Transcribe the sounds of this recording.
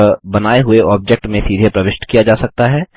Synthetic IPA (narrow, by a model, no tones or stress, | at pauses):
bɐnaːeɦʊeʔɔːb̚d͡ʒek̚ʈmẽsiːd̪ʱepɾɐʋɪʃʈkijad͡ʒaːsɐk̚t̪aɦɛː